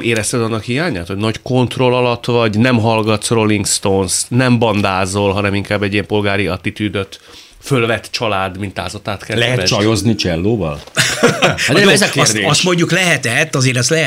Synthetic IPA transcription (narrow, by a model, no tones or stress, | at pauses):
eːɾɛst̪ɛd̪ɒnːɒkhijaːɲaːt̪ho̞ɟnɒcko̞nt̪ro̞lɒlɒt̪vɒɟnɛmɦɒlɡɒt̪sro̞liŋɡst̪oːnsnɛmbɒnd̪aːzo̞lɦɒnɛmiŋkaːbːɛɟijɛmpo̞lɡaːɾiɒt̪ːit̪yːd̪øt̪ | følvɛt̪ːt͡ʃɒlaːd̪mint̪aːzɒt̪aːt̪kɛlɛɦɛt̪ɛt͡ʃɒjoznit͡ʃɛlːoːvɒ̰l | aɛzɒkesrd̪eʃɒst̪mo̞ɲɟuklɛɦɛt̪ɛt̪ːɒzeːɾɛst̪lɛ